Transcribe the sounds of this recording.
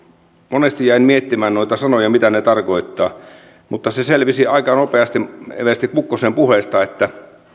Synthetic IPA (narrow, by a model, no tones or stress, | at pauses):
monest̪ijæinmiet̪ːimæːnnoit̪ɑsɑnojɑmit̪ænet̪ɑrkoit̪ːɑː | mut̪ːɑseselʋisiɑikɑnopeɑst̪iḛʋest̪ikkukːosempuheˑst̪ɑet̪ːæ